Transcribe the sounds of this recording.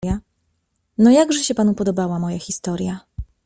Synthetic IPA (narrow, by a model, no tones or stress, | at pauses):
a | nɔjaɡʐɛɕɛpanupɔd̪ɔbawamɔjaxʲist̪ɔɾʲja